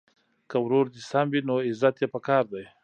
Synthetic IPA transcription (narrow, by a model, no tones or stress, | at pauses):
kawɾoɾd̪isambinoɪzat̪jepakɑːɾd̪aj